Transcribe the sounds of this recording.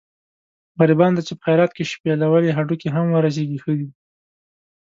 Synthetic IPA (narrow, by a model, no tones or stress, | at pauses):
ɣaɾibɑnd̪at͡ʃepə̥xajɾɑt̪̚keʃpjɑlawəleɦaʈukeɦamwəɾas̬eɡixəd̪i